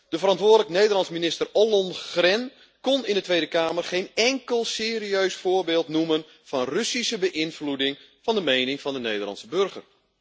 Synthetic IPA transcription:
d̥əfərɑntʋʊːdələkənejdərlɑnsminɪstərolɔnxrɛn | konɪndətʋejdəkaːmərχejnɛŋkəlˠsɪːriøɥsfʊːrbɪːlˠtnumən | v̥ɑnrøsisəbəʔɪnfludɪŋ | fɑndəmejnɪŋfɑndənejdərlɑ̰nsəbørɣə̰r

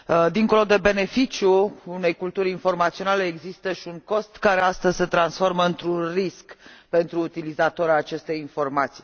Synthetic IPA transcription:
d̪iŋko̞lo̞d̪e̞be̞ne̞fit͡ʃjuːne̞jkult̪uɾʲinfo̞rmat̪sio̞nale̞ːɡzist̪əʃiuŋko̞st̪kaɾeast̪əzʲse̞t̪ɾansfo̞rməɨnt̪ɾunriskpe̞nt̪ɾuːt̪ilizat̪oɾaːt͡ʃe̞st̪e̞jinfo̞rmat̪si̥

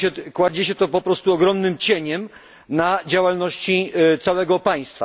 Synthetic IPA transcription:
ɛkwad͡ʑeɕɛt̪ɔpɔpɾɔst̪uɔɡɾɔmnɘmt͡ɕeɲɛm | nad͡ʑawalnɔɕt͡ɕit̪sawɛɡɔpaj̃st̪fa̰

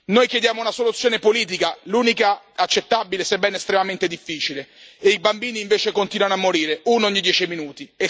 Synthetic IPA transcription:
nojkjed̪jaːmounasolut̪sːjoːnepoliːt̪̬ikaluːnika | at͡ʃːet̪ːabilesebːɛnest̪ɾemament̪ed̪ifːiːt͡ʃileeibambiːniːɱveːt͡ʃekont̪inwanoamːoɾiːɾeunooɲːid̪jɛːt͡ʃiminuːt̪ie

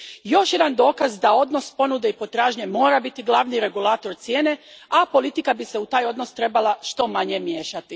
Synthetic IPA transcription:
jo̞ʃje̞d̪and̪o̞ːkazd̪ao̞d̪no̞spo̞nud̪e̞ipo̞t̪ɾaːʒɲe̞mo̞ːɾabit̪iɡlˠaʋniɾe̞ɡulaːt̪o̞ɾt̪sjeːne̞apo̞lˠit̪ikabise̞ut̪aːjo̞d̪no̞st̪ɾe̞balˠaʃt̪o̞maɲe̞mje̞ːʃat̪i

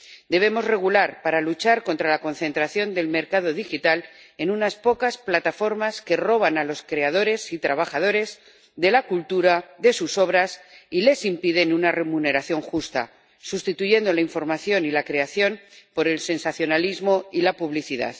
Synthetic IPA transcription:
d̪e̞β̞e̞mo̞zre̞ɣulaɾpaɾalut͡ʃaɾko̞nt̪ɾalako̞nθe̞nt̪ɾaθjo̞nd̪e̞lme̞ɾkað̞o̞ðixit̪al | e̞nunaspo̞kasplat̪afo̞ɾmaske̞ro̞β̞analo̞skɾe̞að̞o̞ɾe̞sit̪ɾaβ̞axað̞o̞ɾe̞z | ðe̞lakult̪uɾaðe̞suso̞βɾasile̞simpiðe̞nunare̞mune̞ɾaθjo̞ŋxust̪a̰ | sust̪it̪uʝe̞nd̪o̞laiɱfo̞ɾmaθjo̞nilakɾe̞aθjo̞npo̞ɾe̞lse̞nsaθjo̞nalizmo̞ilapuβliθiða̰ð

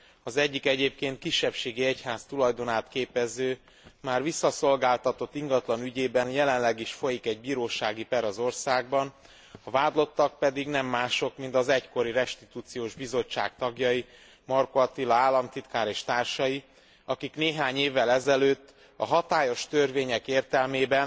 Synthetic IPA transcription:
ɒzɛɟːikɛɟeːp̚keːnt̪̚kiʃːɛpʃeːɡiɛchaːst̪ulɒjd̪o̞naːt̪keːpɛzøː | maːrvisːɒso̞lɡaːlt̪ɒt̪o̞t̪ːiŋɡɒt̪lɒnyɟeːbɛnjɛlɛnlɛɡiʃfo̞jikɛɟ̚biːɾoːʃaːɡipɛɾɒzo̞rsaːɡ̚bɒn | ɒvaːd̪lo̞t̪ːɒk̚pɛd̪iɡnɛmːaːʃo̞kmint̪ɒzɛcko̞ɾiɾɛʃt̪it̪uːt̪sijoːʒbizo̞t͡ʃːa̰ːkt̪ɒɡjɒji | mɒrkoɒt̪ilɒaːlːɒmt̪it̪kaːɾeːʃt̪aːrʃɒji | ɒkikneːɦaːɲeːvːɛlɛzɛløːt̪ː | ɒ̰ɦɒt̪aːjo̞ʃt̪ørveːɲɛkeːrt̪ɛlmeːbɛn

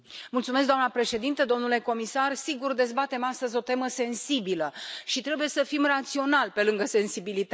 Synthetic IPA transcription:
mult̪sumesɡd̪oamnəpɾe̞ʃe̞d̪int̪əd̪o̞mnule̞ko̞misarsiɡurd̪e̞zbat̪e̞mast̪əzʲo̞t̪e̞məse̞nsibiləʃit̪ɾe̞buje̞səfimrat̪sio̞nalpe̞lɨŋɡəse̞nsibilit̪a

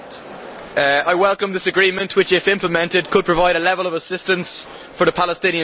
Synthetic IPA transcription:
aɪwɛlˠkə̃mðɪsəɡɹĩːmə̃nʔwɪt͡ʃɪfɪ̃mpʰləmɛ̃ntɪd̚kʰəd̚pʰɹ̥əvaɪɾəlɛvələvəsɪstə̃ns | fəðəpʰalɪstɪ̃niə̃

